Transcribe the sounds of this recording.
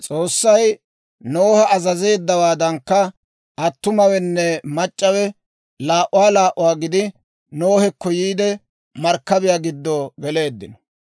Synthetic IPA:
t͡sʼo̞ːsːɐj | noːhɐʔɐzɐze̞ːd̪ːɐwaːd̪ɐŋkːɐ | ɐt̪ːʊmɐwɛnːɛmɐt͡ʃʼːɐwɛ | laːʔʊwaːlaːʔʊwaːɡɪd̪ɪ | no̞ːhɛkːɔjiːd̪ɛ | mɐɾkːɐbɪjaːɡɪd̪ːoːɡɛle̞ːd̪ːɪnɔ̥

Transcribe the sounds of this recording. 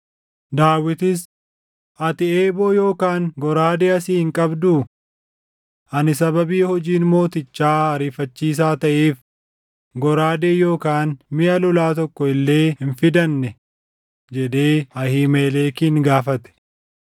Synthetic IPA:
d̪aːwɪt̪ɪs | ʔɐt̪ɪeːboːjoːkaːŋɡɔɾaːd̪eːɐsiːhɪŋkʼɐbd̪uː | ʔɐnɪs̬ɐbɐbiːhɔd͡ʒiːnmo̞ːt̪ɪt͡ʃːaːɐɾiːfɐt͡ʃːiːs̬aːt̪ɐʔeːf | ɡɔɾaːd̪eːjo̞ːkaːnmɪʔɐlɔlaːt̪ɔkːɔɪlːe̞ːhɪnfɪd̪ɐnːɛ | d͡ʒɛd̪eːɐhiːmeːleːkiːŋɡaːfɐt̪ɛ̥

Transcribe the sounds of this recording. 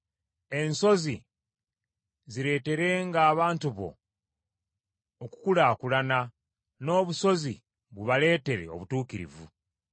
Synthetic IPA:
e̞nso̞zi | ziɾe̞ːte̞ɾe̞ŋɡaːβaːntuβo̞̰ | ku̥kulaːkulana | no̞ːβuso̞zi | βuβale̞ːte̞ɾe̞̰o̞̰βutuːkiɾḭvṵ

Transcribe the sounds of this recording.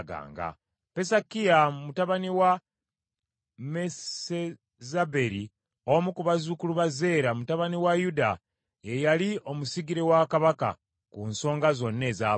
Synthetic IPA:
ɡa̰ːŋɡa̰ | pe̞sakijamumutaβaniwa | mee | zabe̞ɾi | omukuβazukuluβaze̞ːɾamutaβaniwajuda | jejalio̞musiɡiɾe̞wakaβaka̰ | kunso̞ːŋɡazo̞nːe̞ːza

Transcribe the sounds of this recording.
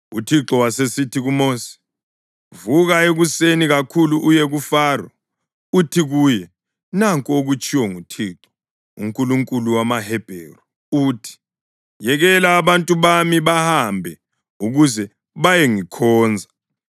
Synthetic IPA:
ṵtʰiǁɔwasesitʰiɣumoːsi̥ | vuɣaeɣuseniɣakʰuluʔujeɣufaːrɔ̰ | utʰiɣuːjɛ | naŋkʼoɣut͡ʃʼʰiwɔŋutʰiːǁɔ̥ | ṵŋkʼuluŋkʼuluwamahɛb̥ʱeːrɔ | uːtʰi̥ | jɛɣɛlaːβantʼuβamiβahambʱɛ | uɣuzɛ | βajɛŋikʰɔːnd͡zʱa

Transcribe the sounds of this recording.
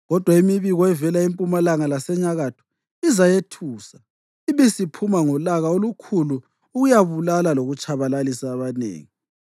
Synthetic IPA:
ɣɔd̥ʱwaimiβiɣɔɛvɛlaimpʼumalaŋalasɛɲaɣatʰu̥ | izajetʰuːsa | iβesipʰumaŋɔlaɣaolukʰuluː | ɣujaβulalaloɣut͡ʃʼaβalalisaːβanḛːŋi

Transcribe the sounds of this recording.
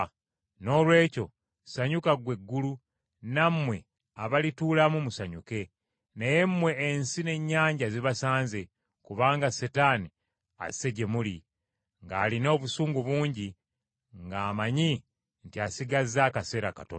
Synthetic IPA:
no̞ːlwe̞ːco̞ | saɲukaɡwe̞ɡːulu | namwe̞ | aβalituːlamumusaɲuke̞ | neje̞mːwe̞ːnsine̞ɲːaːɲɟaziβasaːnze | kuβaːŋɡasetani | a̰se̞ɟe̞muli | ŋɡaːlino̞ːβusuːŋɡuβuːɲɟi | ŋɡaːmaɲi | ntiasiɡazːaːkase̞ːɾaka̰to̰

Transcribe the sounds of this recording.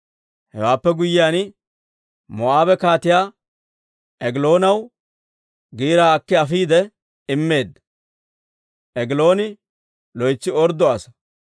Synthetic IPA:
hɛ̰waːpːɛɡʊjːɪjaːn | mɔaːbɛkaːt̪ɪjaː | ʔɛɡɪlo̞ːnɐw | ɡiːɾaːkːɪɐfiːd̪ɛ | ɪmːe̞ːd̪ːɐ̥ | ʔɛɡɪlo̞ːnɪ | lɔjt͡sːɪɔɾd̪ɔasɐ̥

